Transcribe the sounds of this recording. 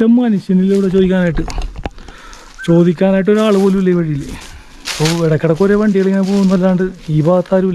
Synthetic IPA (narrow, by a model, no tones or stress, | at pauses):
tɐmːɐnuɕjɐnilːeuɽet͡ɕo̞ːd̪ikʲːaːnaːjiʈːɨ | t͡ɕo̞ːd̪ikʲːaːnaːjiʈ̬ːo̞ɾaːɭɨpo̞ːlumilːejʋɐɻijilːe | ipːoeɽɐkːɐɽekːoɾeʋɐɳɖiɣɐɭeŋːinepoːunːɐɐlːaːɳɖɨiːbaːɐt̪ːaːɾumil